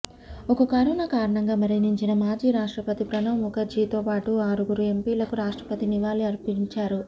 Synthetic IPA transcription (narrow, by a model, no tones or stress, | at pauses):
ɔkɐkɐɾɔːnɐkaːɾɐɳɐŋɡaːmɐɾiniɲt͡ʃinɐmaːd͡ʒiːɾaːʂʈɾɐpɐt̪ipɾɐnɐmːukɐd͡ʒiːt̪oːpaːʈuaːɾuɡuɾue̞mpiːlɐkuɾaːʂʈɾɐ̥pɐt̪iniʋaːliɐɾpiɲt͡ʃaːɾu